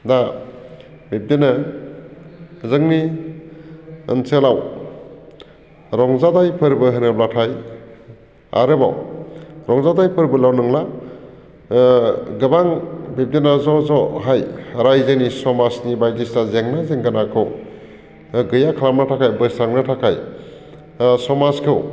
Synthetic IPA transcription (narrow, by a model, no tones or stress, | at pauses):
da | bep̚dena | zɯŋni | ə̰nselaw | ɾɔŋzadajpʰɯɾbɯɦɯnɯb̚latʰaj | a̰ɾɯba̰wɾɔŋzadajpʰɯɾbɯlawnɯŋla | ɡɯbaŋbep̚denazɔzɔɦajɾajzenisɔmasnibajdistazeŋnazeŋɡanakʰɯw | ɡɯjakʰlamnatʰakʰajbɯsaŋnatʰakʰaj | sɔmaskʰɯw